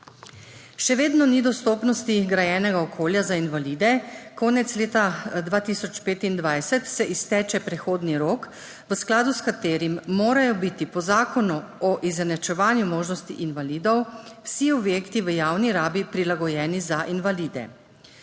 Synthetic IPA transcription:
ʃɛʋeːd̪nɔnid̪ɔst̪oːpnɔst̪iɡɾajɛːnɛɡaɔkʰoːljazainʋaliːd̪ɛkɔːnɛt̪sleːt̪ad̪ʋaːt̪isɔt͡ʃpeːt̪ind̪ʋajsɛt̪sɛʔist̪ɛːt͡ʃɛpɾɛxoːd̪niɾoːk | ʋəsklaːd̪uskat̪eːɾimːoːɾajɔbit̪ipɔzaːkɔnuɔʔizɛnɛt͡ʃɛʋaːnjumoːʒnɔst̪ḭʔinʋaliːd̪ɔwwsiɔbjeːkt̪iʋəjaːwniɾaːbipɾilaɡɔjɛːnizaʔinʋaliːd̪ɛ̰

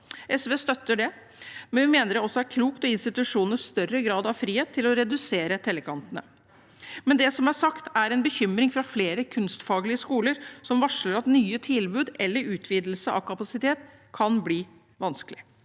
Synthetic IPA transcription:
ʔɛsʋeːst̪œt̪ːəɖɛ | mɛnʋɪmeːnəɾɛɔsːɔæɾkʰluːkt̪ɔɪnst̪ɪt̪ʉʂuːnəʂst̪œrːəɡɾɑːd̪ɑʋfɾiːheːt̪ʰːɪlɔɾɛd̪ʉseːɾət̪ʰɛlːəkʰɑnt̪ənə | mɛnd̪ɛsɔmæsɑkt̪æɾɛnbəçʏmɾɪŋfɾɑfleːɾəkʰʉnst̪fɑːɡlɪəskuːləɾsɔmʋɑʂləɾɑt̪nyːət̪ʰɪlbʉːd̪ɛlːəɾʉːt̪ʰʋiːd̪l̩səʔɑ̰ʋkʰɑpɑsɪt̪ʰeːt̪kʰɑnbliː | ʋɑnskəlɪ

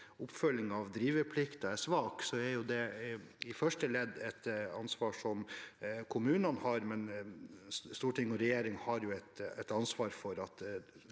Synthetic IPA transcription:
ʊpːfœlːɪŋɑʋd̪ɾiːʋəɾpʰlɪkt̪ɑæsʋɑːksɔæɾjʊd̪ɛɪfœʂʈəlɛd̪ːɛt̪ɑnsʋɑːʂɔmkʰʊmʉːnɑnhɑɾmɛn | st̪uːʈʰɪŋːɔɾɛjeːɾɪŋhɑɾjʊɛt̪ɛt̪ɑnsʋɑːɾfɔɾɑt̪

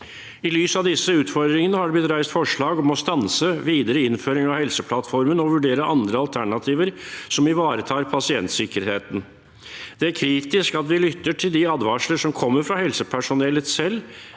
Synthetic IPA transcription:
ɪlyːsɑʋd̪ɪsːəʉːt̪fɔɾd̪ɾɪŋənəhɑɖɛblɪt̪ɾæɪst̪fɔʂɭɑːɡɔmɔst̪ɑnsəʋiːd̪əɾəɪnføːɾɪŋɑʋhɛlsəpʰlɑt̪fɔɾmənɔʋʉɖeːɾəʔɑnd̪ɾəɑlt̪ʰæɳɑt̪ʰiːʋəɾsɔmɪʋɑːɾət̪ʰɑːɾpʰɑsɪɛnt̪sɪkəɾheːt̪n | d̪̥ɛæɾkʰɾiːt̪ɪskɑt̪ʋɪlʏt̪ːəʈʰɪld̪ɪɑd̪ʋɑːʂləʂɔmkʰɔmːəɾfɾɑhɛlsəpʰæʂʊnɛlət̪sɛlː

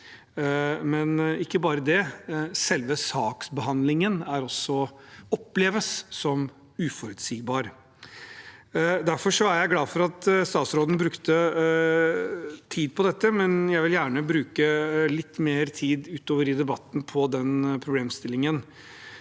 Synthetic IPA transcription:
mɛnɪkːəbɑːɾəd̪ɛsɛlʋəsɑːksbəɦɑnd̪lɪŋənæɾɔsːɔɔpːleːʋəsːɔm | ʉːfɔɾʉt̪siːɡbɑːɾ | d̪æɾfɔʂɔæɾjæɪɡlɑːfɔɾɑt̪st̪ɑːt̪sɾoːd̪n̩bɾʉkt̪ə | t̪ʰiːd̪̚pʰɔd̪ɛt̪ːəmɛnjæɪʋɪljæːɳəbɾʉːkəlɪt̪ːmeːɾt̪ʰiːd̪ʉːt̪oːʋəɾɪd̪ɛbɑt̪ːn̩pʰɔd̪ɛnpʰɾʊbleːmst̪ɪlːɪŋən

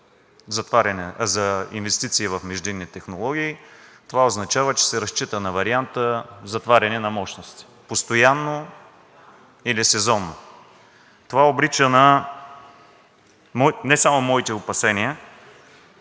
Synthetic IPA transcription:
zɐt̪vaɾʲɐnɛzɐḭnvɛst̪it̪siːvɐfmɛʒd̪inːit̪ɛxnolˠɔɡʲiːt̪ovaoznɐt͡ʃavət͡ʃɛ̥sɛɾɐst͡ʃit̪ənɐvɐɾiant̪əzɐt̪vaɾʲɐnɛnɐmɔʃnost̪i̥ | post̪ojanːo | ilisɛzɔnːo | t̪ovaobɾit͡ʃənɐ | mɔnɛsamʊmɔit̪ɛopɐsɛniə

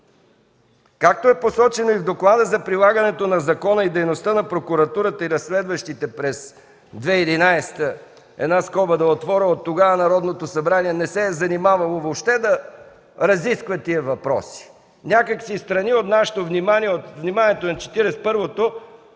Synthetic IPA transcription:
kak̚t̪oɛposɔt͡ʃɛnoivd̪oklˠad̪əzɐpɾilˠaɡɐnɛt̪onɐzɐkɔnəid̪ɛjnost̪ənɐpɾokuɾɐt̪uɾət̪əiɾɐsːlɛd̪vəʃt̪it̪ɛpɾɛs | d̪vɛid̪inajst̪ə | ɛ̰d̪naskɔbəd̪ɐot̪vɔɾəot̪ːoɡavənɐɾɔd̪not̪osɐbɾaniɛnɛsɛzɐnimavɐlˠovopʃt̪ɛd̪ɐ | ɾɐziskvət̪iəvɐpɾɔ̰si̥ | nʲakəksist̪ɾɐniot̪naʃɛ̥t̪ovnimaniɛot̪vnimanʲiɛt̪onɐt͡ʃɛ̥t̪iɾɛspɤɾvot̪o

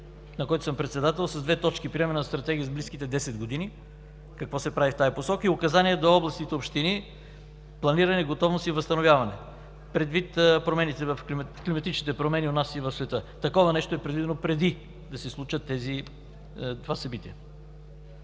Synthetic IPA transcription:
nɐkɔjt̪osəmpɾɛt̪sɛd̪at̪ɛlˠsɐzd̪vɛt̪ɔt͡ʃkipɾiɛmɛnst̪ɾɐt̪ɛɡʲijəzbliskit̪ɛd̪ɛsɛd̪ɡod̪ini | kɐkvɔsɛpɾavift̪ajiposɔkəiʊkɐzaniɛd̪oɔblˠɐst̪it̪ɛopʃt̪ini | plˠɐniɾɐnɛɡot̪ɔvnosivɐst̪ɐnovʲjavɐnɛ | pɾɛd̪vit̪pɾomɛnit̪ɛvɐfklimklimɐt̪it͡ʃnit̪ɛpɾomɛnionasivɐfsvɛt̪ɤt̪ɐkɔvɐnɛʃt̪oɛpɾɛd̪vid̪ɛnopɾɛd̪i | d̪ɐsɛslˠut͡ʃət̪ːɛzi | t̪ovasɐbit̪iɛ

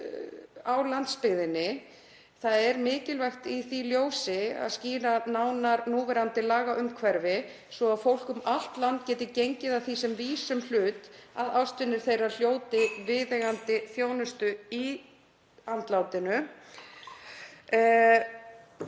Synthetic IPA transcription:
awlant̪spɪɣðɪnːɪ | θaðɛɾmɪːcɪlvɛxt̪iθiljoːwsɪa̰ðsciːɾanaːwnaɾnuːvɛɾant̪ɪlaːɣaʔʏmkʰvɛɾvɪ | svɔaðfowl̥kʏmal̥t̪lant̪̚cɛːt̪ɪcejɲcɪðaðθisɛmviːsʏml̥ʏːt̪aðawst̪ʏnɪɾ̥θejral̥joːwt̪ɪvɪðeɣant̪ɪθjoːwnʏst̪ʏi | ant̪lawt̪ɪnʏ

